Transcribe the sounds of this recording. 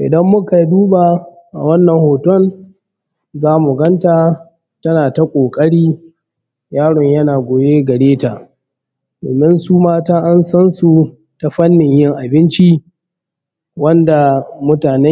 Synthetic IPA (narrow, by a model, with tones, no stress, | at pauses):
ʔɪ̰˨dɐ˦mːʊ˦ka˨duː˦ba˨ | ʔa̰˨wɐ˦nːɐ˨ŋhoː˨tɔ˦n | zaː˦mu˨ɡɐ˦nta˨ | tɐ˦naː˨ta˦kʷʼoː˨kʼɐ˦ɽiː˦ | jaː˦ɽɔ˨ɲjɐ˦naː˨ɡʷoː˨jeː˦ɡɐ˨ɽeː˦ta˨ʔ | do̰ː˨mɪ˦nsuː˦maː˦taː˦ʔa˦nsɐ˦nsu˨ | ta˨ɸɐ˦nːɪ˨ɲjɪ˦ŋʔa˨bɪ˦nt͡ʃi˦ | wɐ˦nda˨mʊ˦taː˨nɛ˦